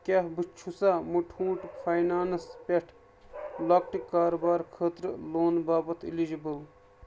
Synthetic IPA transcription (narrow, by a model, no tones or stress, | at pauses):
kʲɐɦbɨt͡ʃʰusamuʈʰũːʈfʰajnaːnɐspʲɐʈʰ | lɐk̚ʈikːaːɾobaːɾkʰəːt̪ɾɨloːnbaːbɐt̪ʰḭlid͡ʒibəl